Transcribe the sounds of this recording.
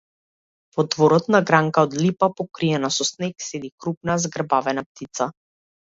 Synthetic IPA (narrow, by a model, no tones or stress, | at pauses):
vɔd̪vɔɾɔt̪naɡɾaŋkaɔd̪lipapɔkɾiɛnasɔsnɛksɛd̪ikɾup̚nazɡr̩bavɛnap̚t̪it̪sa